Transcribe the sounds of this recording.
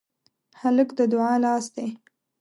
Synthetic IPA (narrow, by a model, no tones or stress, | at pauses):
haləkd̪əd̪ʊʕɑlɑsd̪e